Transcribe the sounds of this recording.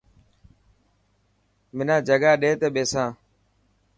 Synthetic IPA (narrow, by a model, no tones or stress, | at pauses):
mɪnãːd͡ʒəɠaːɗeːt̪eːɓeːsãː